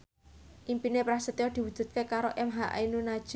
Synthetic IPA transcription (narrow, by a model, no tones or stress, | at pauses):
ʔimpinepɾasət̪jɔd̪̥i̤wud̥ʒ̥ṳt̪̚kekaɾoʔɛmɦaʔa̰inunad̥ʒ̥